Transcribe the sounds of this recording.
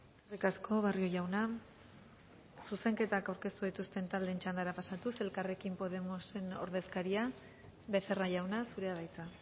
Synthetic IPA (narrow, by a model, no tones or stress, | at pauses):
rikasko̞β̞ario̞ʝawna | suse̞ŋke̞t̪akawɾke̞st̪uðit̪ust̪e̞nt̪ald̪e̞nt͡ʃand̪aɾapasat̪uselkare̞kimpo̞ðe̞mose̞no̞̰ɾðe̞skaɾia | βe̞θe̞raʝawnasuɾe̞aβajt͡sa